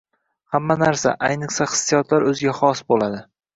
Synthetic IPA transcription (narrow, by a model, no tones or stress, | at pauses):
hamːanaɾsa̰ʔajnɨχsaχɨ̥sːijɒt̪ʰlaɾɵzɪɡʲaχɒsbolad̪ɪ